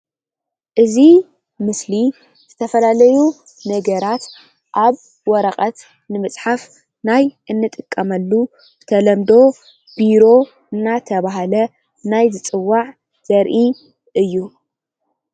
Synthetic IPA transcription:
ʔɨzi | mɨsli | z̥ɨt̪ʰɐfɐlalɐju | nɐɡɐɾat̪ | ʔaβ | wɔɾɐχʼɐt̪ | nɨmɨt͡sʼħaf | najʔɨnːɨt̪ʼɨkʼːɐmɐlːu | ɨt̪ʰɐlɐmd̪o̞ | biɾo̞ | ɨnːat̪ʰɐβaɦalɐ | najzɨt͡sʼɨwːaʕ | z̥ɐɾʔi | ʔɨjːu

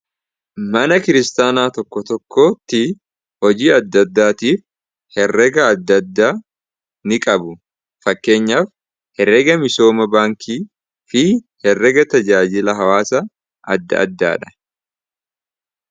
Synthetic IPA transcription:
mɐnɐkɪɾɪst̪aːnaːt̪ɔkːɔt̪ɔkʰːo̞ːt̪ːɪ | hɔd͡ʒiːɐd̪ːɐd̪ːaːt̪iːf | hɛrːɛɡɐːd̪ːɐd̪ːaː | nɪkʼɐbʊ | fɐkːe̞ːɲːaːf | hɛɾːɛɡɐmɪso̞ːmɐbaːŋkʰiː | fɪ | hɛrːɛɡɐt̪ɐd͡ʒaːd͡ʒɪlɐɦɐwaːsɐ | ʔɐd̪ːɐ̰ʔɐ̰d̪ːa̰ːᶑɐ̥

